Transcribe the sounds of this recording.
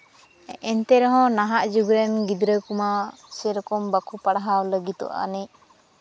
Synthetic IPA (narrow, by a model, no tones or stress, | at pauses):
ɛnt̪ɛɾɔɦɔ̃naɦaʔd͡ʒuɡɾɛnɡid̪ɾəkuma | sɛɾɔkɔmbakʰupaɽaɦawləɡit̪ɔ̰ʔa̰nɛc